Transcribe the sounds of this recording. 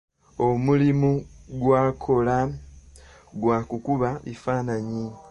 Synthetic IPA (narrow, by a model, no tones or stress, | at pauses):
o̞mulimuɡwaːkʰo̞la | ɡwaːkukuβaβḭfaːnaɲi